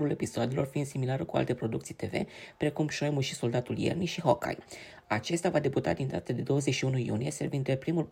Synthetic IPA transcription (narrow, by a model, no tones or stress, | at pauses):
ɾule̞pisoad̪elo̞rfinsemilaɾukua̰lt̪e̞pɾo̞d̪ukt̪sijt̪e̞ve̞̰pɾe̞kumʃojmuʃiso̞ld̪at̪uljḛrniʃiɦoka̰ji | at͡ʃe̞st̪avad̪e̞but̪a̰d̪ind̪at̪əd̪e̞d̪o̞wəzet͡ʃʃiunujṵnije̞se̞rvind̪epɾimulp